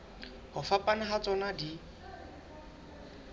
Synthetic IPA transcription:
hʊfapʼanaɦat͡sʼɔnadi

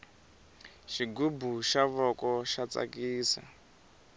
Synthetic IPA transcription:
ʃiɡubuʃaβɔkɔʃat͡sa̰kiːsa̰

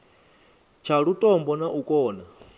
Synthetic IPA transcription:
t͡ʃʰaɺutʼɔmbɔnaʔukʼɔːna

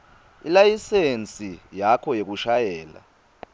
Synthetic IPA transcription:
ḭlajisent͡sʼijakʰɔjek̬uʃajɛːla̰

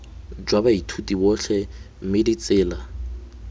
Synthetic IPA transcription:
d͡ʒwabaitʰutʼibɔɬɛ | m̩mɪdit͡sʼɪːla

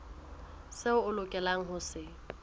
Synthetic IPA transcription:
sɪʊʊlʊkʼɛlaŋ̩ɦʊsɪ

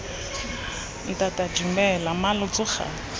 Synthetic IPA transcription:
itʼatʼad͡ʒimbɛlamalʊt͡sʼʊxa̰

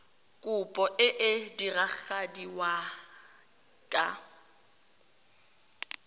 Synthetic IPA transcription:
kʼʊpʼɔʔɪʔɪdirak͡xadiwa | kʼa̰

